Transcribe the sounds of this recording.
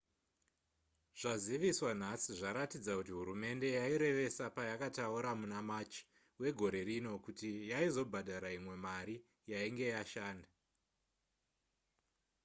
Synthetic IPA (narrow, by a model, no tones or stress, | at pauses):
ʐ̥aziʋiswan̤asiʐaɾatid͡zakutiɦuɾume̞nde̞jaiɾe̞ʋe̞sapajakatauɾamunamat͡ʃi̥ | we̞ɡʱo̞ɾe̞ɾino̞kutijaizo̞bʱadʱaɾaimwe̞maɾi | jaiŋɡe̞jaʃaːnda